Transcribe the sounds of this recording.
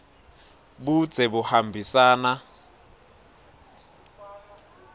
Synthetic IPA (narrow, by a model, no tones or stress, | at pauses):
bu̥d͡z̥ʱɛbuhambʱisaːna